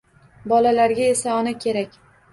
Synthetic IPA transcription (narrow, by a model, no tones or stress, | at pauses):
bɒlalaɾɡʲae̞saɒnakʲʰe̞ɾakʲ